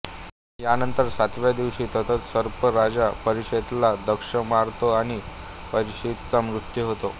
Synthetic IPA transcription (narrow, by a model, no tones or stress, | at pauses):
janənt̪əɾsat̪ʋjad̪iʋɕiːt̪ət̪ʰət̪səɾpəɾad͡ʑapəɾiɕet̪lad̪əkʂəmaɾt̪oaɽ̃i | pəɾiɕet̪t͡samɾut̪juɦot̪o